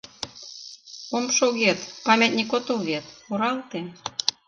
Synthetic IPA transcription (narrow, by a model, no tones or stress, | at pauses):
omʃoɣet̪pɑmʲet̪nʲikot̪olβet̪oɾɑlt̪e